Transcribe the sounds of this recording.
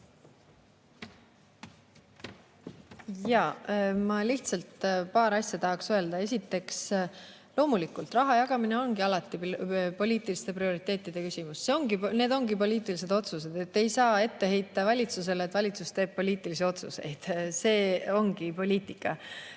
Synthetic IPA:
jɑmɑliht̪sɑlt̪pɑːɾɑsjɑt̪ɑɦɑksøe̞ld̪̥ɑe̞sʲit̪ːˑe̞ks | lo̞ːmulikːˑult̪rɑɦɑjɑɡ̥ɑmine̞o̞nɡ̥iɑlɑt̪ːˑipo̞lʲiːt̪ˑilist̪e̞prio̞ɾit̪ːˑe̞ːt̪ˑːid̪̥e̞kysʲimusːse̞o̞ŋɡine̞ːd̪o̞ŋɡipo̞liːt̪ːˑilise̞d̪o̞t̪sus̬e̞d̪e̞t̪ːe̞jsɑːe̞t̪ːe̞ɦejt̪ːˑɑvɑlʲit̪suse̞let̪ːvɑlʲit̪sust̪e̞ːb̥̚po̞lʲiːt̪ːˑilisio̞t̪suse̞̰jd̪̥se̞ːo̞ŋɡ̥ipo̞lʲiːt̪ˑikːˑɑ

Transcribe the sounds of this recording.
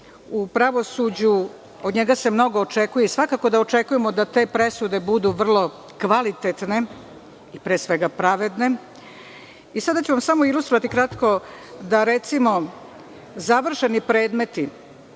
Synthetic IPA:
upɾaʋosud͡ʑu | od̪ɲe̞ɡase̞mno̞ɡo̞ːt͡ʃe̞kujesʋakaːko̞d̪aot͡ʃe̞kuje̞mo̞d̪at̪e̞pɾe̞sud̪e̞bud̪uʋr̩lˠo̞ | kʋalit̪et̪ne̞ | ipɾeːsʋe̞ɡapɾaʋed̪ne̞ | isad̪at͡ɕuʋamsamo̞ilˠust̪ɾoʋat̪ikɾat̪ko̞d̪aɾe̞t̪simo̞ | zaʋr̩ʃe̞nipɾe̞ːd̪me̞t̪i

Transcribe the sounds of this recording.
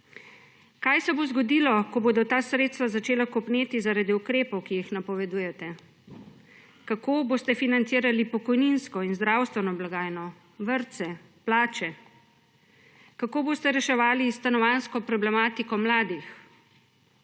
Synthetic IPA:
kajsɛbozɡɔd̪iːlɔkɔboːd̪ɔt̪aːsɾeːt̪st̪ʋazat͡ʃeːlakɔpneːt̪izaɾaːd̪iukɾeːpɔwkijixnapɔʋɛd̪uːjɛt̪ɛ | kakoːboːst̪ɛfinant̪siːɾalipɔkɔjninskɔinzd̪ɾawst̪ʋɛnɔblaɡaːjnɔ | ʋəɾt̪sɛ | plaːt͡ʃɛ | kakoːboːst̪ɛɾɛʃɛʋaːlist̪anɔʋanskɔpɾɔblɛmaːt̪ikɔmlaːd̪ix

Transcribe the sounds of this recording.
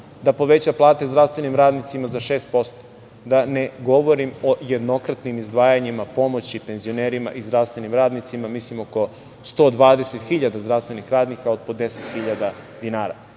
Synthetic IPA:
d̪apo̞ʋet͡ɕaplˠaːt̪e̞zd̪ɾafst̪ʋenimɾaːd̪nit̪simazaʃe̞ːst̪̚po̞st̪o̥ | d̪ane̞ɡo̞ʋo̞ɾimo̞je̞d̪no̞kɾat̪nimizd̪ʋaːjaɲimapo̞mo̞t͡ɕipe̞nzio̞neːɾima̰ʔizd̪ɾafst̪ʋe̞nimɾaːd̪nit̪simamislimoko̞ | st̪o̞ːd̪ʋaːd̪e̞set̪xiʎad̪azd̪ɾaʋst̪ʋe̞nixɾaːd̪nikao̞d̪̚pod̪eset̪xiʎad̪ad̪inaːɾa̰

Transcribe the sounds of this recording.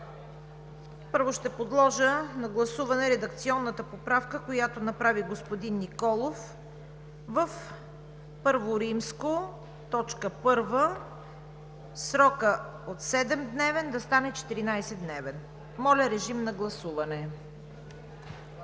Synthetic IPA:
pɤɾvoʃt̪ɛpod̪lˠɔʒənɐɡlˠɐsuvɐnɛɾɛd̪ɐk̚t̪siɔnːət̪əpopɾafkəkojat̪onɐpɾaviɡospod̪inːikɔlˠof | vəf | pɤɾvoɾimsko | t̪ɔt͡ʃkəpɤɾvə | sɾɔkə | ot̪sɛd̪ɛmd̪nɛvɛnd̪ɐst̪anɛt͡ʃɛ̥t̪iɾinajsɛd̪nɛvɛn | mɔlʲɐɾɛʒimnɐɡlˠɐsuvɐnɛ

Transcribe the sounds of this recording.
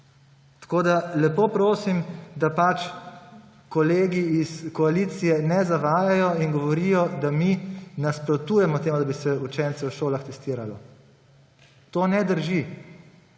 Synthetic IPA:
t̪ḁkoːd̪alɛpoːpɾoːsimd̪apat͡ʃ | kɔleːɡiiskɔalit̪sijɛnɛzaʋaːjajɔinɡɔʋɔɾijɔd̪aminaspɾɔt̪uːjɛmɔt̪eːmud̪abisɛut͡ʃɛnt̪sɛwʃoːlaxt̪ɛst̪iːɾalɔ | t̪oːnɛd̪əɾʒi

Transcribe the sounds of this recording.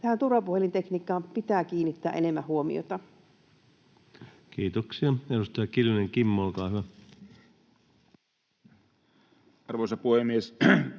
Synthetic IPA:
t̪æhænt̪urɑpuhelint̪ekniːkːˑɑːmpit̪æːkiːnːit̪ːæːʔenemːæhuomḭo̰t̪ɑ | kiːt̪oksiɑedust̪ɑjɑkiluneŋkimːolkɑːhyʋæ | ɑrʋosɑpuhemies

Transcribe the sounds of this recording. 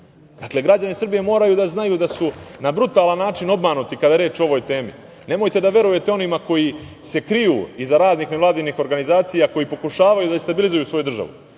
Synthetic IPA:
d̪akle̞ɡɾad͡ʑanisr̩bije̞mo̞ːɾajud̪aznajud̪asunabɾut̪aːlanːaːt͡ʃino̞bmanut̪ikad̪aɾe̞ːt͡ʃoo̞ʋo̞jt̪e̞ːmḭ | ne̞mo̞jt̪e̞d̪aʋe̞ɾuje̞t̪eo̞nimako̞jise̞kɾijṵːizaɾaːzniːxneʋlˠaːd̪iniːxo̞ɾɡanizaːt̪sijako̞jipo̞kuʃaːʋajud̪aest̪abilizujuːsʋo̞jud̪r̩ʒa̰ʋṵ

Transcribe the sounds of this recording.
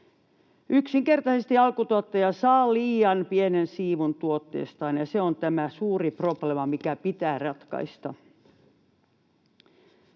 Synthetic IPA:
ʔyksiŋkert̪ɑsest̪iɑlkut̪uot̪ːɑjɑsɑːliːjɑnpienensiːʋunt̪uot̪ːḛːst̪ɑːnjɑseont̪æmæsuːriproplemɑmikæpit̪æːrɑt̪kɑ̰ist̪ɑ

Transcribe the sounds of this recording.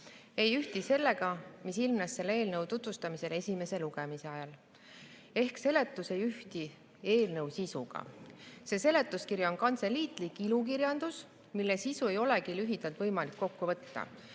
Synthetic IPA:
e̞jyht̪ise̞lːe̞ɡɑmisilmnɑsːe̞lːe̞ːlnɤwt̪ut̪vust̪ɑmise̞le̞sʲime̞se̞luɡ̥e̞mise̞ɑjɑl | e̞hkse̞le̞t̪ˑːuse̞jyht̪i | e̞ːlnɤwsisuɡ̥ɑ̰se̞se̞le̞t̪ˑːuskirjɑo̞nkɑnt̪se̞liːt̪ˑlikːˑilukirjɑnd̪̥us | milːesisue̞jo̞le̞kilyɦid̪̥ɑlt̪vɤjmɑlikːo̞kːuvɤ̞t̪ːɑ̰

